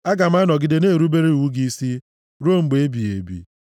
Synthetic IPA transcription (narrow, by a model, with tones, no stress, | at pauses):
a˦ɡa˨m˦a˦nɔ˨ɡɪ˨de˨ne˦˨ɾu˦be˦ɾe˦˨u˦ɡi˦si˦ | ɾo˦˨ŋ͡m̩˨ɡ͡be˨˦e˦bi˨e˨bḭ˦